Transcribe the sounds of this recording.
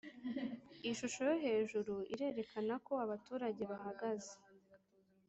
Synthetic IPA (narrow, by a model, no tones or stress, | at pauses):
iʃuʃo̞jo̞ɦe̞ːʒuɾuḭɾe̞ːɾe̞kʰanako̞aβatuːɾaɟe̞βahaɡaze̥